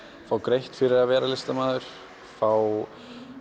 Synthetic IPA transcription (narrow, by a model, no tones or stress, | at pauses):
faːwkɾejht̪fɪɾɪɾavɛːɾalɪst̪amaːðʏɾ̥ | faw